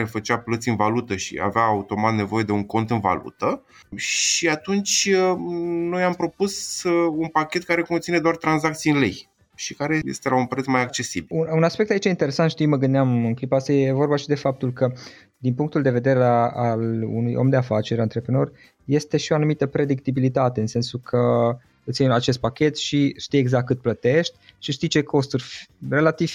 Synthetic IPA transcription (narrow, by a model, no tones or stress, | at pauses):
ɾefət͡ʃaplət̪siɨnvalut̪əʃḭa̰veaːut̪o̞mat̪ne̞vo̞je̞d̪euŋko̞nt̪ɨnva̰lṵt̪ə | ʃiat̪unt͡ʃʲ | no̞jampɾo̞pusunpakʲe̞t̪̚kaɾe̞ko̞nt̪sine̞d̪oart̪ɾanzak̚t̪siɨnle̞̰j | ʃikaɾe̞jḛst̪e̞launpɾet̪smajak̚t͡ʃe̞sibiununaspe̞k̚t̪ait͡ʃeint̪e̞ɾe̞sant̪ʃt̪ijməɡɨnd̪eamɨnklipaast̪ajeevo̞rbaʃid̪e̞fap̚t̪ulkə | d̪inpuŋkt̪uld̪e̞ve̞d̪e̞ɾealṵnujʔo̰md̪e̞afat͡ʃe̞ɾʲant̪ɾe̞pɾeno̞rʲ | je̞st̪e̞ʃioanumit̪əpɾe̞d̪ik̚t̪ibilit̪at̪e̞ɨnse̞nsukʰə | ɨt̪siiat͡ʃe̞st̪̚pakʲe̞t̪ʃiʃt̪ijeɡzakt̪kːɨt̪̚plət̪e̞ʃt̪ʲʃiʃt̪ijt͡ʃe̞kʰo̞st̪urʲre̞lat̪iv̥